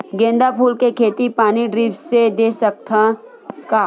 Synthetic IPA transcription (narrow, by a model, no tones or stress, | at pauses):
ɡẽːnd̪apʰuːlkekʰeːt̪ipaːniɖɾiːʋsed̪eːsək̚t̪ʰã | kaː